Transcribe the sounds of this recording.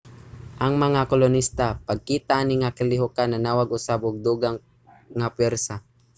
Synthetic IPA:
ʔɐŋmɐŋakolʊnist̪apɐɡ̚kiːt̪aʔniŋakɪlɪɦʊkanɐnaːwaɡʊsabʊɡ̚d̪uːɡaŋ | ŋapwɛɾsa

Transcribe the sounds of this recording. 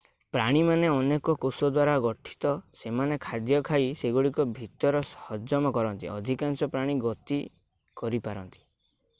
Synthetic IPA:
pɾaɽ̃imaneɔnekɔkosɔd̪waɾaɡɔʈʰi̥t̪ɔsemanekʰad̪jɔkʰajseɡuɽikɔbʱit̪ɔɾɔsɔhɔd͡ʒɔmɔkɔɾɔnt̪ḭɔ̰d̪ʱikansɔpɾaɽ̃iɡɔt̪i | kɔɾipaɾɔnt̪i̥

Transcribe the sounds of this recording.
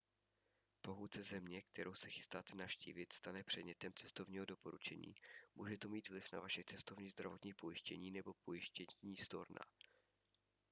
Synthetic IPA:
po̞ɦut̪t͡sɛzɛmɲɛk̚t̪ɛɾowsɛxɪ̥st̪aːt̪ɛnafʃcḭːvɪt̪st̪anɛpr̝̥ɛd̪ɲɛt̪ɛmt͡sɛst̪o̞vɲiːɦo̞do̞po̞ɾut͡ʃɛ̰ɲḭːmuːʒɛt̪omiːt̪vlɪfna̰vaʃɛt͡sɛst̪ovɲiːzd̪ɾavo̞t̪ɲiːpo̞jɪʃcɛɲiːnɛbo̞pʰo̞jɪʃcɛɲiːst̪o̞̰ɾna̰

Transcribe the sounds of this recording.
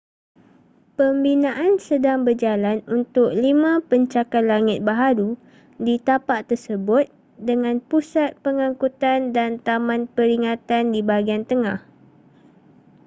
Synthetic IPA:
pəmbinãʔansədaŋbərd͡ʒalanunt̪ʊk̚limãpəɲt͡ʃakat̪laŋɪt̪̚baɦaɾu | dit̪apaʔt̪ərsəbʊt̪̚ | dəŋãnpusat̪̚pəŋãŋkut̪andant̪amãnpəɾiŋat̪andibaɡiant̪əŋãh

